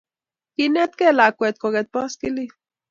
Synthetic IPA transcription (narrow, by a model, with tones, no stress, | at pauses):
kine˦t̪kɛ˦la˨kʷɛ˨t̪̚koɣɛt̪̚pɔ˦skili